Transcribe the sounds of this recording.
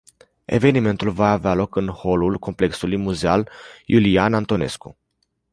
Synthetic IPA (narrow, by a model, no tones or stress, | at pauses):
e̞̰ve̞nime̞nt̪ulvaːvealo̞kɨnho̞lulko̞mple̞ksulujmuzealjulianant̪o̞ne̞skṵ